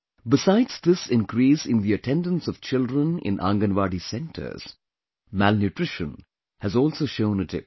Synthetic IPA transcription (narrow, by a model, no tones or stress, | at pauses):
bɪsaɪdz̥d̪ɪsɪ̃nkɾiːsɪ̃nd̪iɨtʰɛ̃ndə̃nsɔʋ̥t͡ʃɪldɾə̃nɪ̰̃nʔã̰ŋɡə̃nʋaːɖisɛ̃nʈʰə̰˞z̥ | mælnjuʈɾɪʃə̃n | hɨzɔːlˠsoːʃõʊ̃nətʰɪ̰p̚